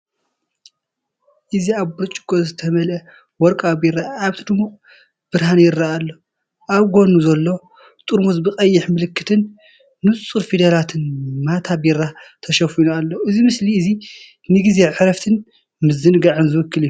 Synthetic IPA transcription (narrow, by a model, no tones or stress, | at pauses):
ʔɨziaβbuɾt͡ʃʼɡʼozɨt̪ʰɐmɐlʔɐ | wɔɾkʼabiɾaʔːβt̪ʰɨd̪ɨmuχʼ | b̥ɨɾhanjɪɾːaalːo̞ | ʔaβɡonuzɐlːo̞ | t̪ʼuɾmuzbɨqʼɐjːɪħmɨlɨkːɨt̪ʰɨnː | ɨt͡sʼuɾfid̪ɐlat̪ʰɨnmat̪ʰabiɾat̪ʰɐʃɐfinualːoʔɨzimɨsliɨzi | nɨɡize̞ʕɨɾɐft̪ʰɨn | mɨzɨnɨɡaʕɨnzɨwɨkːɨliju